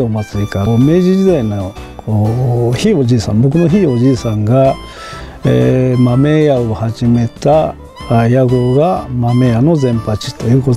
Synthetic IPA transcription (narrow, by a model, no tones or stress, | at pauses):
omat͡sɨikamed͡ʒiizenakohiβot͡ʃisa̰mbukunoɦiβod͡ʒisaŋɡa | emamejaoβahat͡ʃimet̪aː | jaɡoɣamamejanozempat͡ʃi̥t̪aoko